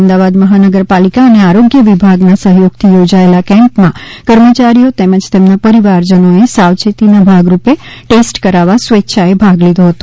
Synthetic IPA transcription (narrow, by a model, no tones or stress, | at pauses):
md̪aʋad̪məɦanəɡəɾpalikaəneaɾoɡjəʋibʱaɡnasəɦjoɡ̚t̪ʰijod͡ʒaelakɛ̃mpmãkəɾmət͡ʃaɾijot̪eməd͡ʒt̪emnapəɾiʋaɾd͡ʒənoesaʋt͡ʃet̪inabʱaɡɾupeʈesʈkəɾaʋasʋetːʃʰaebʱaɡlid̪ʱoɦət̪o